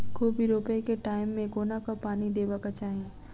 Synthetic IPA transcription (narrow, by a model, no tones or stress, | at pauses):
kobʱiɾoːpekeʈaːɪmːẽɡoːnakapaːnid̪eːbakat͡ʃaːɦe